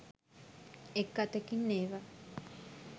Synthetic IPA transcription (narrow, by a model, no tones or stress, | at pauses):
ekːat̪ekinːeːʋa